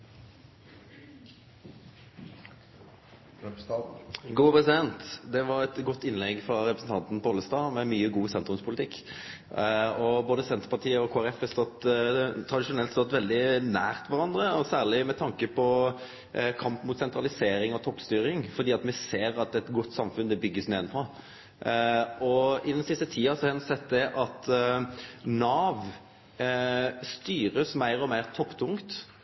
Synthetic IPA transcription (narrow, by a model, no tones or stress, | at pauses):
ɡuːpʰʁɛsɪd̪ɛnt̪d̪ɛʋɑɾɛt̪ɡɔt̪ːɪnlɛɡfɾɑɾɛpɾəsn̩t̪ɑnt̪n̩poːləst̪ɑːmɛmyːəɡuːsɛnt̪ɾʉmspʰʊlɪt̪ʰɪkː | ɔboːd̪əsɛnt̪əpɑt̪ʰiːəɔkʰoːæʁɛfɛst̪ɔt̪ːt̪ʰɾɑd̪ɪʂʊnɛlt̪st̪ɔt̪ʋɛld̪ɪnæːʁt̪ʋɑɾɑnd̪ʁəɔsæːʁɭɪmɛt̪ʰɑŋkəpʰɔ | kʰɑmpmuːt̪sɛnt̪ʁɑlɪseːɾɪŋɔt̪ʰɔpːst̪yːɾɪŋfɔɾd̪iːɑt̪mɛseːɾɑt̪ɛt̪ɡʊt̪ːsɑmfʉnd̪ɛbʏɡːəsneːɛnfʰʁɑ | ɔɪd̪ɛnsɪst̪ət̪ʰiːɑsɔhɑhɑnʊsɛt̪ːd̪ɛʔɑt̪ | nɑːʋ | st̪yːɾəsmæɪɾɔmæɪʁt̪ʰɔpːt̪ʰʊŋkt̪